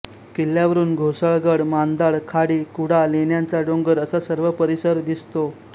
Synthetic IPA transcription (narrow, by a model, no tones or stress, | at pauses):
kelːjaʋəɾuːnɡʱosəɭɡəɽmand̪aɭkʰaɽiːkuɽalenjant͡saɖõŋɡəɾəsasəɾʋəpəɾisəɾd̪ist̪o